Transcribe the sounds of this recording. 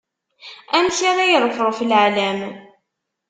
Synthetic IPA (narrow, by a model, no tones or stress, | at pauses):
æmsaɾajəðˤfɾˤofəlʕalæm